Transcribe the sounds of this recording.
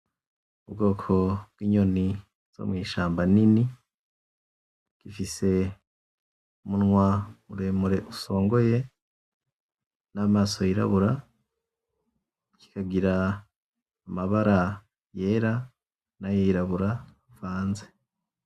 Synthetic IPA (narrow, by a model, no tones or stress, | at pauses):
ubɡo̞ːkʰo̞b̚ɡwiːɲo̞ni | z̥o̰mŋiːʃaːmbanini | ɡ̥ifise̞ | umunŋwauɾemuɾe̞ʔuso̞ːŋɡoje̞ | naːmaːsojiɾa̰βuɾa | ki̥kʰaɡiɾaː | maβaɾa | je̞ːɾa | najojiɾaβuɾa | vaːnze